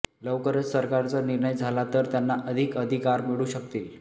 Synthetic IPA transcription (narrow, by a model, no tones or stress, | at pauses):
ləʋkəɾət͡ssəɾkaɾt͡saniɾɳəjd͡zʱalat̪əɾt̪janːaʔəd̪ʱikəd̪ʱikaɾmiɽuːɕəkt̪iːl